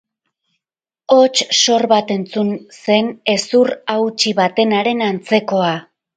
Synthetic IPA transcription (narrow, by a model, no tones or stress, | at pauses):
o̞t͡ʃso̞rβat̪e̞nt͡sunse̞ne̞surawt͡ʃiβat̪e̞naɾe̞nant͡se̞ko̞a